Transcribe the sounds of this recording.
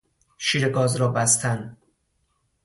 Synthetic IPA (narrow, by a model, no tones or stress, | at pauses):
ʃiːɾeɡɒːzɾɒːbæst̪ʰæn